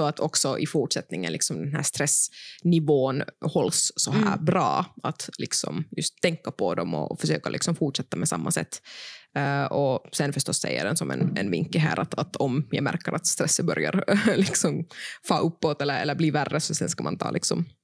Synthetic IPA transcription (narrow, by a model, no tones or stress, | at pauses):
sɔat̪ʰɔksɔʔɪfuːʈʂɛt̪nɪŋːə̰nlɪksɔmd̪ɛnɦæːʂt̪ɾɛsnɪvoːnhɔlsːɔhæ̰ːbɾɑːat̪lɪksɔ̰mjɵst̪ʰːɛŋkːapʰɔd̪ɔmɔ̰fœʂøːkalɪksɔmfuːʈʂɛt̪ːamɛsa̰mːasɛ̰t̪ː | ɔsɛnfœʂt̪ɔsːɛ̰jːə̰ɖɛnsɔmɛ̰nɛnvɪŋkːəɦæ̰ːɾʔat̪at̪ʰɔmjaɡmæɾkəɾʔat̪st̪ɾɛsːəbœɾjaɾlɪksɔmfɑːʔɵpːoːt̪ɛlːəɾɛlːəɾbliːværːəsɔsɛnskamant̪ʰɑ̰ːlʔɪksɔ̰m